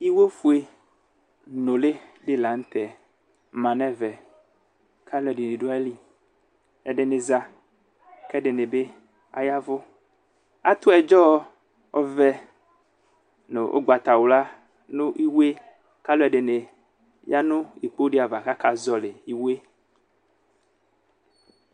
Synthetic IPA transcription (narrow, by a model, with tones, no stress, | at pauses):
i˦we˦fu˦e˦ | nõ˨le˦le˦la˨ŋ̩˦t̪ɛ˨ | mã˨nɛ̃˦vɛ˨ | ka˦lo˦ɛ˨de˨nẽ˨ɖo˦ɛ˦li˦ | ɛ˨ɖe˨ne˨za˦ | kɛ˦ɖe˨ne˨be˦ | a˦ja˦vo˦ | a˦t̪o˦ɛ˨d͡ʒɔ˦ | o˦vɛ˦ | ne˨ʔo̰˦ɡ͡ba˨t̪a˨wo˨la˦ | nũ˦ʔi˦wu˦e˦ | ka˦lo˦ɛ˨ɖe˨ne˨ | ja˦nũ˦i˨k͡po˦ɖi˦a˨va˨ka˦ka˦zɔ˦le˨i˦we˦